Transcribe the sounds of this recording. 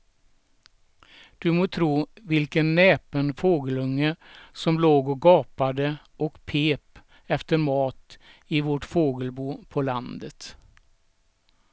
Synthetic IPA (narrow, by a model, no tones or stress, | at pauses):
d̪̥ɵmoːt̪ʰɾuːvɪlkənːeːpənfoːɡəlɵŋːəsɔmloːɡɔɡɑːpad̪ə | ʔɔkpʰeːp | ɛft̪əɾmɑːt̪ɪvɔʈfoːɡəlbuːpʰɔland̪ət̪